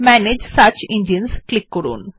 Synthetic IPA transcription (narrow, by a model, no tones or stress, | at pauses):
mæned͡ʒsat͡ʃɪ̃ndiə̃nsklɪkːɔɾṵːn